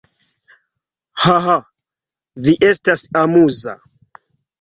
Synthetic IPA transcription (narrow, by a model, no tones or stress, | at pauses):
haɦa | viʔestasamuza̰